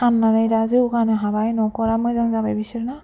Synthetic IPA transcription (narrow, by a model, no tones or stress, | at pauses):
anːanajdazɯkanɛɦabajnɔkɔɹamɔjzaŋzabɛbisiɾna